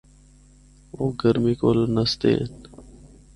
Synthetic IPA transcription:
oːɡəɾmiːkoːlnəst̪ḛːn

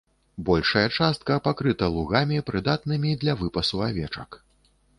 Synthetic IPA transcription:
bɔlʲʂɐjɐt͡ʂast̪̚kɐpakɾɨt̪ɐlˠuɣamʲipɾɨd̪at̪nɨmʲid̪lʲɐvɨpɐsuavʲɛt͡ʂɐ̰k

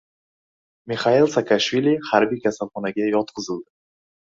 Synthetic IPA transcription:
miχailˠsakʰaʃvilʲihaɾbijkʲʰasalχɒnaɡʲajɒt̪̚qʰɨzɪld̪ɪ

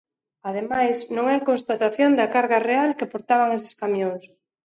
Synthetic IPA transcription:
að̞emajsnõŋɛkonst̪at̪aθjond̪ɐkaɾɣarealkepoɾt̪aβ̞aŋes̬e̥skamjoŋs

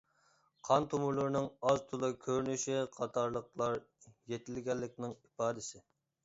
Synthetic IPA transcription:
qʰɑnt̪ʰumuɾlˠuɾnɨŋɑzt̪ʰulˠɨkʲʰøɾnyʃiqʰɑt̪ʰɑɾlˠəqlˠɑɾjet̪ʰɪlɡʲɛlːɪkʲnɪŋipɑːd̪ɪsɪ

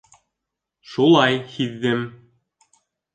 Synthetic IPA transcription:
ʃulˠɑjhiðːɘm

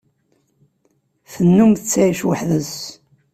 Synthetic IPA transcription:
θənːumθət͡sːæjʃwəħðəs

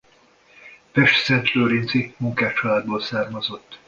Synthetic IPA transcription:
pɛʃt̪sɛnt̪løːɾint̪zimuŋkaːt͡ʃɒlaːd̪̚boːlsaːrmɒzo̞t̪ː

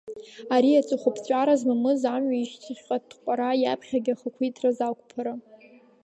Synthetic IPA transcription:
aɾiat͡sʼɨχʷʊpʰt͡ɕʷʼaɾazmamɨzamɥaiʃtʰɨχʲqʼadʰqʷʼaɾajapʰχʲaɡʲaχəkʷʰijtʰrazakʷʼpʰaɾa

